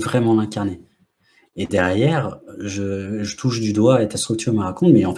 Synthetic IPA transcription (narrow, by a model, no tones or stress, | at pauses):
vʁɛmɑ̃lɛ̃kaʁneː | d̪ɛʁjɛʁʒəʒət̪ʰuʃd̪yd̪waet̪ast̪χyk̚t̪ʰyʁməʁakɔ̃t̪mɛɑ̃p